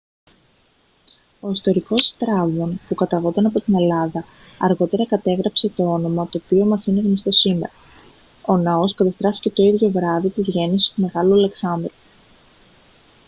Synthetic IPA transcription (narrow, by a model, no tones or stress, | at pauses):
o̞ist̪o̞ɾiko̞st̪ɾɐvmo̞npukɐt̪ɐɣo̞t̪ɐnɐpo̞t̪ine̞lɐðɐ | ɐɾɣo̞t̪e̞ɾɐkɐt̪e̞ɣɾɐpse̞t̪o̞o̞no̞mɐt̪o̞ːpio̞mɐsine̞ɣnost̪o̞sime̞̰ɾɐ | o̞nɐo̞skɐt̪ɐst̪ɾɐfi̥ce̞t̪o̞iðʝo̞vɾɐðit̪izʝe̞nisi̥st̪ume̞ɣɐluɐleksɐnd̪ɾi